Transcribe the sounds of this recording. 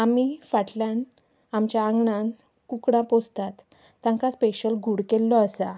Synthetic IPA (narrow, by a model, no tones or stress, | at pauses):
amifaʈljãn | amt͡ɕjaːŋɡɳãn | kukɽãpost̪at̪ː | ãŋkaspeɕəlɡʱuɽkelːɔəsa